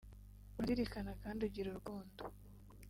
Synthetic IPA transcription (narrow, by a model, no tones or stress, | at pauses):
waɾiɾikanakaːnduɟiɾuɾɡoːndu